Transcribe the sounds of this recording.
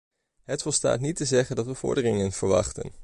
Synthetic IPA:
ɦətfɔlˠsta̰ːtnitəzɛχəndɑtʋəv̥ʊ̰ɹdərɪŋənv̥əɹʋɑ̰χtə̰n

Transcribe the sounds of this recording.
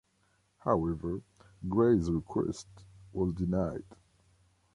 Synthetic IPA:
haʊɛvə˞ɡɹeɪzɹikʰwɛ̰stwɔzdinaɪd̥

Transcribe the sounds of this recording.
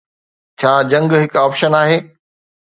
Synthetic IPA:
t͡ɕʰaːd͡ʑɐ̃ŋɡɦɪkaːpʃənaːɦeː

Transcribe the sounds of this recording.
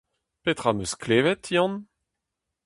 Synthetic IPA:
pet̪χamøskleːvɛt̪ʰijɑ̃n

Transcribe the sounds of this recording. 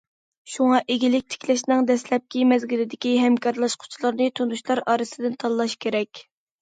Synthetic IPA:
ʃuŋɑʔeɡʲilɪk̚ʲt̪ʰɪ̥kʲlɛʃnɪŋd̪ɛslɛp̚kʲimɛzɡʲilɪd̪ɪkʲiɦɛmkʰɑɾlˠɑʃqʰʊ̥t͡ʃʰilˠɨɾnɨt̪ʰunuʃlˠɑɾɑːɾɨsɨd̪ɪnt̪ʰɑlˠlːˠɑʃkʲʰeɾɛkʲ

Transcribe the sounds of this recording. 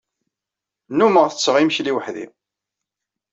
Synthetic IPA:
numəʁθət͡sːʁimçliwəħðḭ

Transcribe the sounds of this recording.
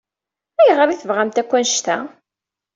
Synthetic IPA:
æjʁəɾiθəvʁamt̪ækʷːænʃt̪æ

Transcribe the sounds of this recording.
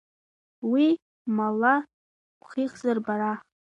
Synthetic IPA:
wi | mala | χiχzarbaɾa

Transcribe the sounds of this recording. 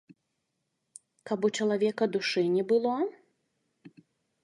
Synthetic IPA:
kabut͡ʂɐlˠavʲɛkɐd̪uʂɨnʲɛbɨlˠɔ

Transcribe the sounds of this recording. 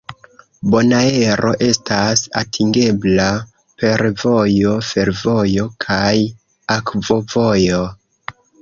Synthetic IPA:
bo̞nae̞ɾʔo̞ʔe̞stasa̰tʰiŋɡe̞bla | pe̞ɾvo̞jo̞fe̞ɾvo̞jo̞kʰaj | akvo̞vo̞jo̞

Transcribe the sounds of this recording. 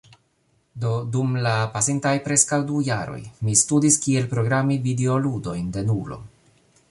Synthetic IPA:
dodumlapasintajpɾe̞skawdujaɾo̞̰jmistudiskie̞lpɾoɡɾamivide̞oludo̞jnde̞nulo̞̰

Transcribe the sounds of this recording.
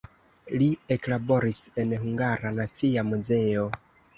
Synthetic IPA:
lieklabo̞ɾise̞nhuŋɡaɾanat͡siamuze̞o

